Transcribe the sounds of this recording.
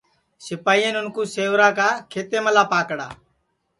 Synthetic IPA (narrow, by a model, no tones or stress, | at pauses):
sɪpaːienʊnkũːseːʋɾaːkaːkʰeːt̪eːməlaːpaːkɽa̰ː